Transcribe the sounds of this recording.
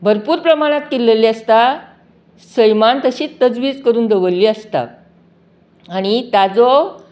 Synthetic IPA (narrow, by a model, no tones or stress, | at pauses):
bʱəɾpuːɾpɾəmaɽ̃at̪kilːeliːəst̪a | səjmant̪əɕiːt̪əd͡zʋiːd͡zkəɾuːnd̪əʋəlːiːəst̪a̰ | ɽ̃it̪ad͡zɔ